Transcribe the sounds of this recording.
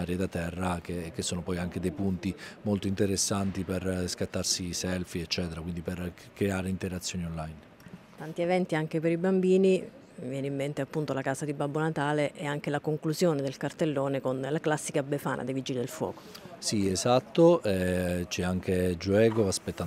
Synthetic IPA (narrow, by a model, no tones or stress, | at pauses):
aːɾjed̪at̪ːɛrːakek̟ːesːoːnopɔjaŋk̟ed̪ejpunt̪imolt̪oint̪eɾesːant̪iperskat̪ːarsisɛlfiɛt͡ʃːɛːt̪eɾakwind̪iper | kɾeaːɾeint̪eɾat̪sːjoːnionlajn | t̪ant̪ievɛnt̪iaŋk̟epeɾibambiːni | vjɛːneimːent̪eapːunt̪olakaːzad̪ibabːonat̪aːleʔeaŋk̟elakoŋkluzjoːned̪elkart̪elːoːnekonlaklasːikabefa̰ːnʔa̰d̪evid͡ʒilid̪elfwɔ̰ːko̥siezat̪ːoɛt͡ʃɛaŋk̟ed͡ʒuɛːɡoaspet̪ːa